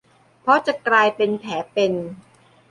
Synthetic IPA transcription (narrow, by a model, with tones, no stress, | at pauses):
pʰɔ˦˥t͡ɕa˨˩klaː˧jpe˧np̪ʰɛː˩˦pe˧n